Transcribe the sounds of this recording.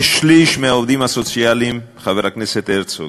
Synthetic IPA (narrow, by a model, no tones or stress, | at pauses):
ʃliʃmeaovd̪imasot͡sialimbχaveɾhakneset̪eɾt͡so̰